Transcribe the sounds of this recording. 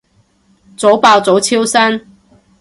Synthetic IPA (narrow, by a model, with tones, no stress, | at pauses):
t͡so˨˧˥wpa˧˩wt͡so˨˥wt͡ɕʰi˥wsa˥n